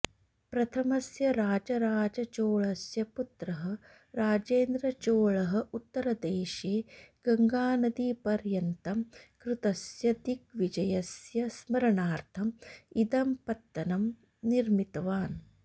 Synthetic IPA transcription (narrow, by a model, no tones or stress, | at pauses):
pɾɐt̪ʰɐmɐsjɐɾaːd͡ʒɐɾaːd͡ʒɐt͡ʃoːɭɐsjɐput̪ɾɐɦɐ̆ | ɾaːd͡ʒeːnd̪ɾɐt͡ʃoːɭɐɦɐ̆ʔut̪ːɐɾɐd̪eːʃeːɡ̥ɐŋɡaːnɐd̪iːpɐɾjɐnt̪ɐmkɾut̪ɐsjɐd̪ik̚ʋid͡ʒɐjɐsjɐsmɐɾɐɳaːɾt̪ʰɐmid̪ɐmpɐt̪ːɐnɐm | niɾmit̪ɐʋaːn